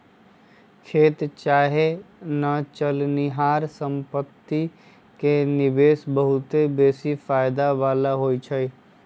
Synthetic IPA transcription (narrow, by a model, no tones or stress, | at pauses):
kʰeːt̪t͡ʃaːɦenət͡ʃəlniɦaːɾsə̃mpət̪ːi | kenɪbeːsbəɦʊt̪ebeːsifaːɪd̪aʋaːlaɦoːit͡ʃʰəiː